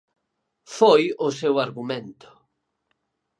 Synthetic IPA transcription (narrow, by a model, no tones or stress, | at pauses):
fojʊsewaɾɣumẽnt̪ʊ̥